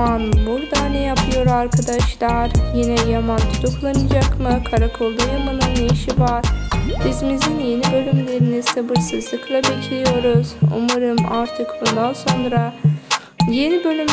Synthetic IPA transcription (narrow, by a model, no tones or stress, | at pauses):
anbuɾd̪aːnɛjapʰɯjo̞ɾaɾkʰad̪aʃlˠaɾjinɛjamant̪ʰut̪ʰuklˠanɯd͡ʒakmɯkʰaɾakʰoɾˠd̪ajamanɯnːejiʃivaɾ̥bizmizinje̞nibø̞lʲymlʲe̞ɾiniz̥sabɯɾsɯzlˠɯklˠabecʰlʲijo̞ɾuz̥ṵmaɾɯmaɾt̪ʰɯkbund̪anso̞nɾa | je̞nibø̞lʲym